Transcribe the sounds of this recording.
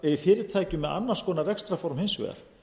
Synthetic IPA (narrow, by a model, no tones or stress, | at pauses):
ɛifɪːɾɪ̥t̪ʰaːjcʏmɛða̰nːḁskɔːnarɛkst̪ɾafɔɾmhɪnsvɛ̰ːɣa̰ɾ̥